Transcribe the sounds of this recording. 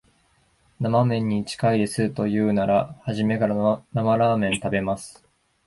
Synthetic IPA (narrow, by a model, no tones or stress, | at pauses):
namamẽ̞ɲ̟ːit͡ɕi̥kaid̪e̞sɨt̪o̞jɯ̟ːnaɾahaʑime̞kaɾanamaɾaːmẽ̞nt̪abe̞masɨ̥